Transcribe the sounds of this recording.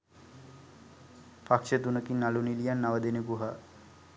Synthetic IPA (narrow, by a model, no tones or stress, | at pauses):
pakʃət̪unəkinːalunilijanːaʋəd̪enepuɦa